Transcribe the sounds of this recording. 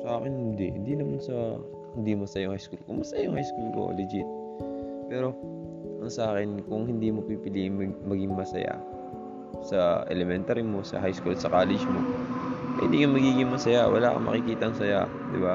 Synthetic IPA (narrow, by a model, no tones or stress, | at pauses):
sɐʔaːkɪnnd̪ɛhɪnd̪inɐmansɐ | hɪnd̪iːmosɐjʊŋhajskulkoŋmɐsɐjajʊŋhajskulko̰lɪd͡ʒɪt̪̚ | pɛːɾo̞ | ɐŋsɐʔaːkɪnkʊŋhɪnd̪iːmopipɪliːʔɪŋmɐɡmɐɡɪŋmɐsɐ̰ja̰ | sɐɛ̰lɛmɛnt̪aːɾɪmo̞sɐ̰ɦajskulsɐkaːlɛd͡ʒmopɐhɪnd̪iːkɐnmɐɡiːɡɪŋmɐsɐjawɐlaːkɐ̰mɐ̰kɪkiːt̪ɐŋsɐja̰ | d̪ɪba